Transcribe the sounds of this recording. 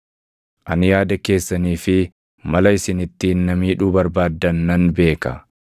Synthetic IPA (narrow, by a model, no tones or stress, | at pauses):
ʔɐnjaːd̪ɐke̞ːsːɐniːfɪ | mɐlɐɪsɪnɪt̪ːiːnːɐmiːᶑuːbɐɾbaːd̪ːɐnːɐnbe̞ːkɐ̰